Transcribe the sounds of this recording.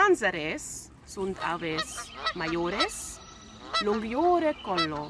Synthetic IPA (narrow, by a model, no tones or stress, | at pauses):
anzaɾesː | unt̪ʰa̰vesmajoɾes | luŋɡjoːɾekɔlːo